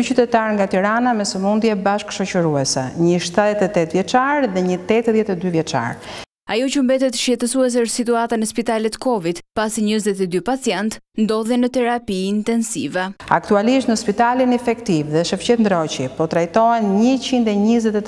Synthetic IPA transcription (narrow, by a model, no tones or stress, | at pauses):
t͡ʃyt̪ɛt̪aɾŋɡat̪iɾanamɛsəmund̪jɛbaʃkʃɔt͡ɕəɾuɛsɛ̰ɲəʃt̪aðɛt̪ɛt̪ɛt̪vjɛt͡ʃaɾðɛɲət̪ɛt̪ðɛt̪ɛd̪yvjɛt͡ʃa̰ɾ | ajɔt͡ɕəmbɛt̪ɛt̪ʃjɛt̪əsuɛs̬ɛəɾsit̪uat̪anəspit̪alɛt̪kɔvid̪pasiɲəzɛt̪ɛd̪ypat͡sjɛnt̪nd̪ɔðɛnət̪ɛɾapiːnt̪ɛnsḭvɛa̰kt̪ualiʃt̪nəspit̪alinifɛkt̪ivðɛʃəft͡ɕɛt̪nd̪ɾɔt͡ɕipɔt̪ɾajt̪ɔɛnɲət͡ɕind̪ɛɲəzɛt̪ɛ